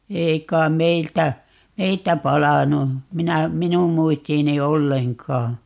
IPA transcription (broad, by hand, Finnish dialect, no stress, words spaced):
ei kˑɑim meiltæ meiltæ pɑlɑnu minæ minum muistiːni olːeŋkɑː